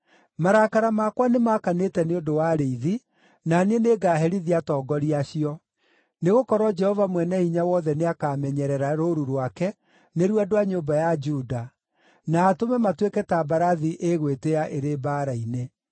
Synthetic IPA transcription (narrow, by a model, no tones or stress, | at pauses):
maɾakaɾamakwanemakanetɛneodowaɾeiði | naneneɡaːɦɛɾiðiatɔːɡɔɾiaɕiɔ | neɣokɔɾwɔd͡ʒɛhɔvamwɛnɛiɲawɔðɛneakamɛɲɛɾɛɾaɾoɾuɾwakɛ | neɾwɛdoaɲoːmbajad͡ʒuːda | naːtomɛmatwekɛtabaɾaðiʔeɣweteaʔeɾebaːɾaine